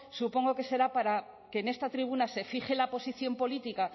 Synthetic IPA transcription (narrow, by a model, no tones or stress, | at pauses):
supo̞ŋɡo̞ke̞se̞ɾapaɾa | keːne̞st̪at̪ɾiβ̞unase̞fiχelapo̞siθjo̞mpo̞lit̪ika